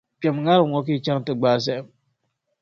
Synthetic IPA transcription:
pe˨m˨ŋa˦ɾŋɔ˦k̬i˦˨t͡ʃa˦ŋ˨tɨ˨ɡ͡ba˦˨s̬ɛ˦˨m

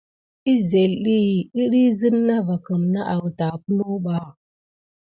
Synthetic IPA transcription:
i˦ze˨li˦˨i˦ɾi˦zɨ˦nːa˦va˨kə˨mna˦ʔa˨wta˨pu˦lu˦ɓa˨˦˨

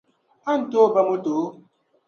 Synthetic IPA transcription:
a˦n̩˨to˦˨ba˦mo˦to˨˦

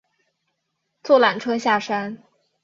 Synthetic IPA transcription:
t͡swɔ˥˩la˨˩nʈ͡ʂʰɤ˥ɕja˥˩ʂa˥n

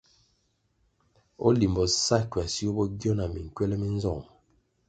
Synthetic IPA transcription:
ɔ̰˦li˨mbɔ˨sa˦˨kɥa˨si˦o˦bɔ˦ɡjɔ˦na˨mi˨ŋ̩˨kɥɛ˦lɛ˦mi˦n˦zɔ˦˨

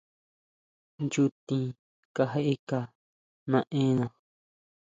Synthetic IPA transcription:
nt͡ʃu˦˧t̪ĩ˧ | ka˧ɦe˦ʔe˦ka˧ | nã˧ʔẽː˦nã˧

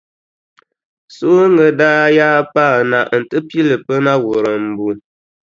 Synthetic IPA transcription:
so˦ŋə˨daː˦jaː˦pa˦˨na˨ʔn̩˨tɨ˦pji˦lə˨pə˦na˦wu˨ɾə˨m̩˨bu˨

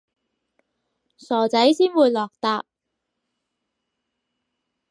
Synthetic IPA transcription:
sɔː˨˩t͡sɐ˨˥jsiː˥nwuː˨˧jlɔː˨k̚t̪aː˧p̚

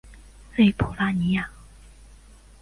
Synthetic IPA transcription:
se˥˩pʰo˨˩la˥ni˨˦ja˨

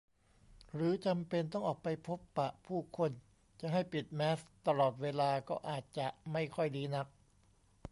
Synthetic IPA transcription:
ɾɯː˩˨˦t͡ɕa˧mpe˧nt̪ɔ˥˩ŋʔɔː˨˩k̚pa˧jpʰo˦˥pːa˨˩ʔpʰuː˥˩kʰo˧n | t͡ɕa˨˩ʔɦa˥˩jpi˨˩t̪̚mɛː˦˥st̪a˧lɔː˨˩t̪̚weː˧laː˧kɔː˥˩ʔaː˨˩t̪̚t͡ɕa˨˩ʔma˥˩jkʰɔ˥˩jliː˦˥na˦˥k̚

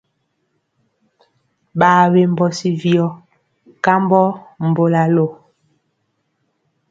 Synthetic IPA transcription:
ɓaː˨we˦˨m̩˦bɔ˨si˦vjɔ˦ | ka˦m˦bɔ˦m̩˨bo˦la˨lo˨

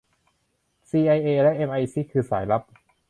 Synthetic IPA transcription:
siː˧ʔa˧jʔeː˧lɛ˦˥ʔe˧mʔa˧jsiː˦˥˩kʰɯː˧saː˩˦jla˦˥p̚

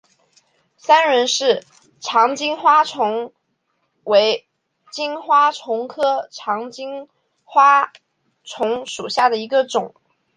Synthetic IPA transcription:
sa˥nɻə˧˥nʂɻ̩˥˩ | ʈ͡ʂʰɑ˧˥ŋt͡ɕi˥ŋxwa˥ʈ͡ʂʰʊ˧˥ŋ | we˧˥ɪ | t͡ɕi˥nxwa˥ʈ͡ʂʰʊ˧˥ŋkʰɤ˥ʈ͡ʂʰɑ˧˥ŋt͡ɕi˥ŋ | xwa˥ | ʈ͡ʂʰʊ˧˥ŋʂu˨˩ɕja˥˩d̪ə˩i˧˥ɡə˧ʈ͡ʂʊ˨˩˦ŋ

